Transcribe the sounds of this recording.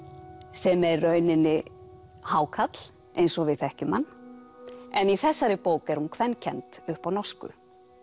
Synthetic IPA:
sɛmɛrːœɥnɪnːɪ | haːwkʰat̪l̥ | ʔejnsɔɣvɪðθɛhcʏmanː | ɛniθɛsːaɾɪpoːwkɛɾ̥hunkʰvɛnːcʰɛnt̪ʏhpawnɔskʏ̰

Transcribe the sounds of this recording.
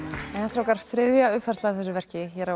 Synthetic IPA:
ɛnhɛst̪ɾawkaɾr̥θɾɪðjaʏffɛrst̪laθɛsʏvɛr̥cɪçɛɾa

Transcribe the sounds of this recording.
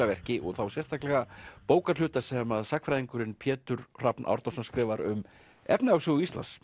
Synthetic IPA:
avɛr̥cɪʔɔɣθawsjɛst̪ʰaklɛɣapoːwkaɾ̥lʏːt̪asɛmaðsakfɾajðiŋkʏɾɪnpʰjɛːt̪ʏɾ̥r̥apnʔa̰wɾt̪ɔsamskɾɪːvaɾʏ̰m | ɛ̰pnɪawsʏɣʏist̪la̰ns

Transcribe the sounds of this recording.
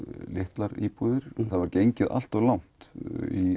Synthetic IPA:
lɪht̪laɾipuðɪɾ̥θaðvaɾcejɲcɪðʔa̰l̥t̪ɔɣlawn̥t̪i

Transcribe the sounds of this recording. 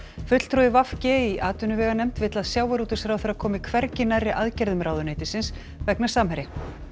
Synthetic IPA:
fʏt̪l̥t̪ʰɾuðɪvafcɪiʔaːt̪ʏnʏvɛːɣanɛmt̪vɪːt̪laðsjaːwaɾuːt̪ʏsfɾawθɛɾaðkʰɔːmɪkʰvɛɾcɪnarːɪʔaðcɛɾðʏmɾʔaːwðʏneːjt̪ɪsɪns | vɛknḁsaːmhɛɾɪ

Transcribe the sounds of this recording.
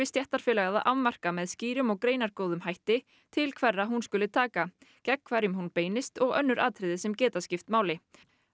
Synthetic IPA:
ɪst̪jɛht̪aɾ̥fɪːlaɣaðaʔavmar̥kamɛðsciːɾʏmɔɣkɾeːjnaɾkoːwðʏmhajht̪ɪ | t̪ʰɪlkʰvɛrːaɦunskʏlɪt̪ʰaːka | cɛkkʰvaɾjʏmɦunpeːjnɪst̪ɔɣœ̰nːʏɾʔa̰ːt̪ʰɾɪðɪsɛmcɛːt̪ascɪft̪maːwlɪ

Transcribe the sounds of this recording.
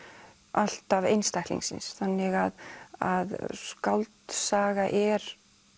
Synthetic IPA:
al̥t̪avejnst̪ajhk̪lḭ̃ŋsɪ̰nsθanːɪɣaðaðskawlt̪saːɣaʔɛɾ̥

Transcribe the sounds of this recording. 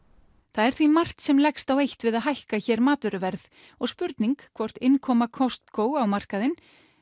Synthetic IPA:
θaðɛɾ̥θvimar̥t̪sɛmlɛkst̪awejht̪vɪðaðɦajhkaçɛːɾmaːt̪ʏɾʏvɛɾð | ɔɣspʏɾt̪niŋkʰvɔr̥t̪ɪnkʰɔːmakʰɔst̪koːwawmar̥kaðɪn

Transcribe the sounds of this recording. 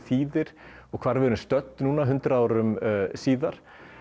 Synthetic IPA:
θiːðɪɾ̥ɔɣkʰvaːɾvɪɾʏst̪œt̪nnuːnaɦʏnt̪ɾaaːwɾʏmsiːðaɾ̥

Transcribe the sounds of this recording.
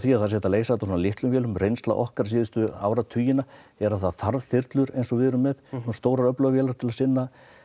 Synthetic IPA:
θviaðθasɛht̪aleːjsaɛt̪asɔnalɪht̪lʏmfjɛːlʏmrejnst̪la̰ʔɔhkaɾ̥siːðɪst̪ʏa̰ːwɾat̪ʰyːjɪna | ɛɾaðθaθaɾvθɪɾt̪lʏɾejnsɔvɪðɾʏmːɛðst̪oːwɾaɾœplœɣafjɛːlaɾt̪ʰɪlaðsɪnːa

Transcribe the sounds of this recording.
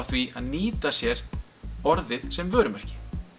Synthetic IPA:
wθviaðniːt̪asjɛɾ̥ | ɔɾðɪðsɛmvœːɾʏmɛr̥cɪ̥

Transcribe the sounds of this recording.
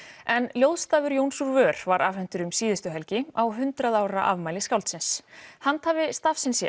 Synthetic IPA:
ɛnljowðst̪aːvʏɾjownsuɾvœːɾ̥vaɾʔafhɛn̥t̪ʏɾʏmsiːðɪst̪ʏɦɛlcɪawɦʏnt̪ɾaðaːwɾɾaʔavmaːjlɪskawlt̪sɪnshant̪haːvɪst̪afsɪnsɛ̰

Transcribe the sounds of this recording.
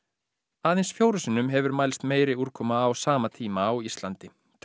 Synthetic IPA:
aːðɪnsfjoːwɾʏsɪnʏmɦɛvʏɾmaːjlst̪meːjɾɪuɾ̥kʰɔmaːwsaːmat̪ʰiːmaːwist̪lant̪ɪ | t̪ʰ

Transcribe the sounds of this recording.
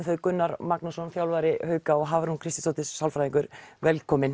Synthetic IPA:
θœɥðkʏnːaɾmaknusɔnfjawlvajɾɪhœːɥkaɔɣɦaːvaɾhunkʰɾɪst̪ɪ̥sowt̪ɪsːawlfɾajðiŋkʏɾvɛlkʰɔːmɪn

